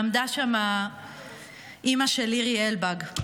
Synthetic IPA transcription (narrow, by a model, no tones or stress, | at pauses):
md̪aʃama | ʔimaʃeliʁielbaɡ